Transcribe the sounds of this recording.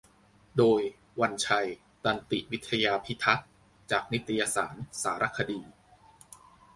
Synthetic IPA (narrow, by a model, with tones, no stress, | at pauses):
doː˧j | wa˧nt͡ɕʰa˧j | t̪a˧nt̪ḭ˨˩wi˦˥t̪ʰːa˧jaː˧pʰi˦˥t̪ʰa˦˥t̪̚ | t͡ɕaː˨˩k̚ni˦˥t̪ʰːa˧jaː˧saː˩˦nsaː˩˦ɾa˦˥kʰa˧diː˧